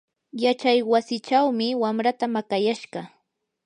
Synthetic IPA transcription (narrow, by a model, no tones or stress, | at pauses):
jat͡ʃajwasɪt͡ʃawmɪwamɾat̪amakajaʃɢɑ